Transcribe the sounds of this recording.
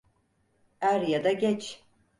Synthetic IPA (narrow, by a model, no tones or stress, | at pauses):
æɾjad̪aɡʲɛt͡ʃʰ